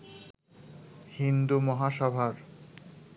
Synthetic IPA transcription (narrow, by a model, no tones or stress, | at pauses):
hind̪umɔɦaʃɔbʱaɾ